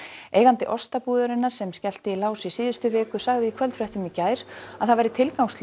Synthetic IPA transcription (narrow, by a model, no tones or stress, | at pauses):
eːjɣant̪ɪʔɔst̪apuːðʏɾɪnːaɾ̥sɛmscɛl̥t̪ɪilaːwsisiːðʏst̪ʏvɪːkʏsaɣðɪikʰvɛlt̪fɾɛht̪ʏmicaːjɾ̥aðθaðvajɾɪt̪ʰɪlkawŋst̪l